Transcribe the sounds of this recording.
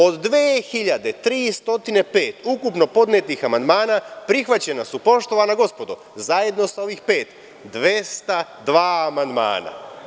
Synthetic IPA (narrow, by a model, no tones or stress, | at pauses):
o̞d̪ːʋeːxiʎad̪et̪ɾiːst̪o̞t̪ine̞pe̞ːt̪ukupno̞po̞d̪net̪nixamand̪maːnapɾixʋat͡ɕe̞nasupo̞ʃt̪o̞ʋaːnaɡo̞spo̞d̪o | zaje̞d̪no̞sao̞ʋiːxpe̞ːt̪ | d̪ʋest̪ad̪ʋaːmand̪ma̰ːna̰